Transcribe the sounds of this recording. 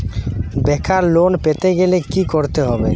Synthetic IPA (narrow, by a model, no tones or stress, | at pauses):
bɛkʰaɾlonpet̪eɡelekikoɾt̪eɦɔbḛ